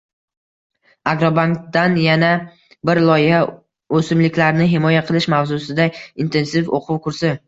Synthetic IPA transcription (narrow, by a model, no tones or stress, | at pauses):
aɡɾobaŋkd̪anjana | bɪɾlˠɒjɪha | ɵsɪmlɪkʲlaɾnɪɦɪmɒjaqʰɨlˠɪʃmavzʊsɪd̪aint̪ʰe̞nsɪfo̰qʰʊwkʰʊɾsɪ